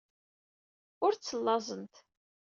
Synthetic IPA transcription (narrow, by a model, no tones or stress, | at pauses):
ʊɾt͡sːəlːɑzˤənt̪